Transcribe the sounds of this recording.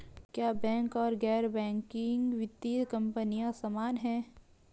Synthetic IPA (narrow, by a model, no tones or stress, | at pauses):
kjaːbɛ̃ːŋkɔːɾɡɛːɾbɛ̃ːŋkɪŋɡʋɪt̪ːikɐ̃mpənijãsamaːnɦɛ̃ː